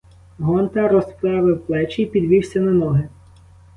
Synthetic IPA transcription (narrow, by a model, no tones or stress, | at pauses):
ɦɔnt̪ɐɾɔspɾˠɑʋɪwplˠɛt͡ʃijpʲid̪ʋʲiwsʲɐnɐnɔɦɪ